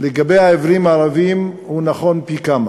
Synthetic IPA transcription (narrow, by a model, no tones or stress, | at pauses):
leɡabejaevɾimaːɾavim | hunaχo̞npikama